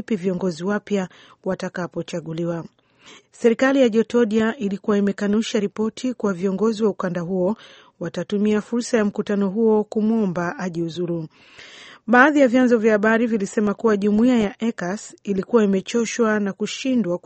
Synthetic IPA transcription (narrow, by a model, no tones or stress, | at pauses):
piviɔŋɡɔziwapja | watakapɔt͡ʃaɠuliwa | sɛɾikalijaʄɔtɔɗiaʔilikuwaimɛkanuʃaɾipɔtʰikuwaviɔŋɡɔziwaukandaɦuɔ | watatumiafuɾsajam̩kutanɔɦuɔkumuɔmbaʔaʄiuzuɾu | ɓaːðijavjanzɔvjahaɓaɾivilisɛmakuwaʄumuiajaʔɛkasilikuwaimɛt͡ʃɔʃwanakuʃindwa